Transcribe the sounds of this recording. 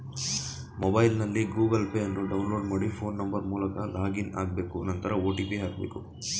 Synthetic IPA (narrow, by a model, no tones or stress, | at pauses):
mɔbɐjlnɐlːiɡuːɡɐlpeːɐnːuɖɐwnlo̞ːɖmaːɽipʰo̞ːnːɐmbɐɾmuːlɐkɐlaːɡina̰ːɡ̚be̞ːkuɐnɐnt̪ɐɾɐoːʈiːpiɦaːɡ̚be̞̰ːku